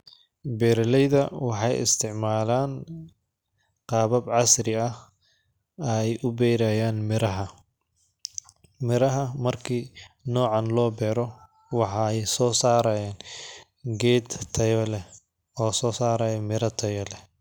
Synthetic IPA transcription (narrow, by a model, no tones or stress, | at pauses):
bɛːɾɐlɛjðɐwɑħɑjɪ̰st̪ʰɪʕmaːlaːn | qɑːβɐbʕɑsɾɪɐh | ɐjʔʊbɛjɾajaːnmɪɾɐɦɐ | mɪɾɐɦɐmɐrkʰiːnɔːʕɑnlɔːbɛːɾɔ | wɑħɑɛjsɔːsaːɾɐjaːn | ɡɛːd̪t̪ʰɐjɔlɛ | ɔːsɔːsaːɾaːjɔmɪɾɐt̪ʰɐjɔlɛ